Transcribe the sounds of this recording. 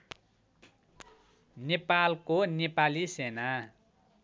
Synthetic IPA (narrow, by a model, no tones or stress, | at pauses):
nepalkonepalisena